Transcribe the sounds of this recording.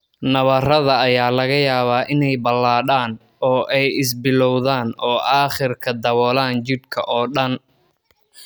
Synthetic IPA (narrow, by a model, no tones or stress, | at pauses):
nɐβɐrɐðɐːjaːlɐɣɐjaːβaːʔɪnɛjbɐlːaːɽaːn | ɔːʔɛjɪs̬bɪlɔwðaːnɔːʔaːχɪrkʰɐd̪ɐβɔːlaːnt͡ʃɪd̪kʰɐ̰ʔɔːɗɐn